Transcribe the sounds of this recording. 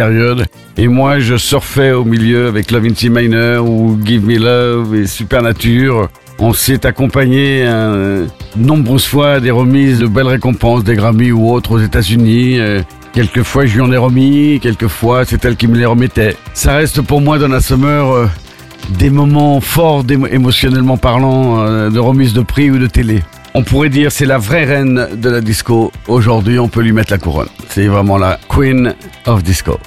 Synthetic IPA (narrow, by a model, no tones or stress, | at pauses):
peʁjɔd̪ | emwaʒəsɔʁfɛomiljøavɛklɔvint̪imajnœʁuɡivmilɔvesypɛʁnat̪yʁ | ɔ̃sɛt̪akɔ̃paɲeɛ̃ | ənɔ̃bʁøzfwad̪eʁəmizd̪əbɛlʁekɔ̃pɑ̃sd̪eɡʁamiuot̪χozet̪azyniø | kʲɛlkəfwaʒiɑ̃nɛʁəmikʲɛlkəfwasɛt̪ɛlkʲiməleʁəmɛt̪ɛsaʁɛst̪puʁmwad̪ɑ̃lasɔmœʁø | d̪emɔmɑ̃fɔʁd̪eemɔsjɔnɛlmɑ̃paʁlɑ̃d̪əʁəmizd̪əpχiud̪ət̪ele | ɔ̃puʁɛd̪iʁsɛlavʁɛʁɛnd̪əlad̪iskooʒuʁd̪ɥiɔ̃pølɥimɛt̪lakuʁɔ̰nsɛvʁɛmɑ̃la̰kwinɔfd̪isko̰